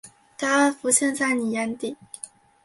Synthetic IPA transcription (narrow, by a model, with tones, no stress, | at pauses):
t̪a˥˩fu˧˥ɕɛ˥˧nt͡sa˥˩ɪni˨˩ja˥nt̪i˥˩